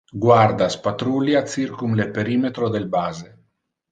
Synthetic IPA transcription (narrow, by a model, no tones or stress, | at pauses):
ɡwaɾd̪aspat̪ɾuljat̪t͡s̪iɾkumlepeɾimet̪ɾod̪elbaze